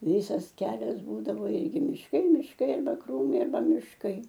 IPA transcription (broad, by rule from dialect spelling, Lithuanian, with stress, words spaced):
ˈʋʲiːsɐs ˈkʲæːlʲɛs ˈbuːdɐʋoː ˈɪrʲɡʲɪ mʲɪʃˈkɐɪ mʲɪʃˈkɐɪ ɐrˈbɐ ˈkruːmɐɪ ɐrˈbɐ mʲɪʃˈkɐɪ